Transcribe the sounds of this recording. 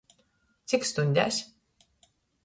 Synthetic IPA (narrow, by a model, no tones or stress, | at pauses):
t̪sikst̪unʲd̪ʲæ̰s